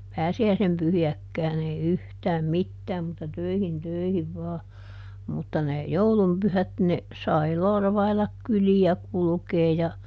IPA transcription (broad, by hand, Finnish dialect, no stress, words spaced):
pæːsiæisem pyhiækːæːn ei yhtæːm mitːæːm mutːɑ tøihin tøihiʋ ʋɑː mutːɑ ne joulum pyhæt ne sɑi lorʋɑilɑk kyliæ kulŭkeː jɑ